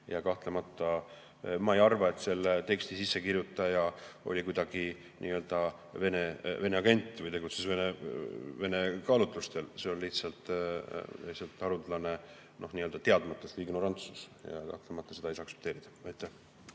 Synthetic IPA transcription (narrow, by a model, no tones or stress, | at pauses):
jɑkɑht̪le̞mɑt̪ˑːɑ | mɑejɑrvɑe̞t̪ːˑse̞lːet̪e̞kst̪isisːekirjut̪ˑːɑjɑʔo̞̰lʲikujd̪̥ɑɡ̥i | nʔḭːøld̪̥ɑ | ve̞neve̞neɑɡe̞nʲt̪ˑːvɯjt̪e̞ɡut̪sesveneve̞ne̞kɑlut̪ˑlust̪e̞lse̞onliht̪sɑlt̪ˑ | liht̪sɑlt̪ːˑɑɾud̪lɑne̞ | no̞hniːøld̪̥ɑt̪e̞ɑd̪mɑt̪ːˑesiɡnoɾɑnt̪su̥sjɑ̰kɑ̰ht̪le̞mɑt̪ːˑɑse̞d̪ɑjisɑɑksept̪eːɾid̪̥ɑɑjt̪ːˑæh